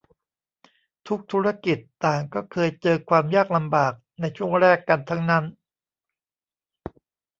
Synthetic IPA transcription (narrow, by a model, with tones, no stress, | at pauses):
t̪ʰu˦˥k̚t̪ʰu˦˥ɾa˥ki˨˩t̪ːaː˨˩ŋkɔː˥˩kʰɤː˧jt͡ɕɤː˧kʰwaː˧mjaː˥˩k̚la˧mbaː˨˩k̚na˧jt͡ɕʰu˥˩əŋɾɛː˥˩kːa˧nt̪ʰa˦˥ŋna˦˥n